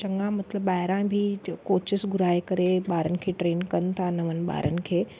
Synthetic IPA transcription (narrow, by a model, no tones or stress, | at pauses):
t͡ʃɐ̃ŋɡãmɐt̪ləbːaːɦɪɾãbʱɪkoːt͡ʃɪsɡʊɾaːekɐɾeɓaːɾənɪ̆kʰeːʈɾeːnkɐnɪ̆t̪ʰanɐʋənɪ̆ɓa̰ːɾʔənɪ̆kʰeː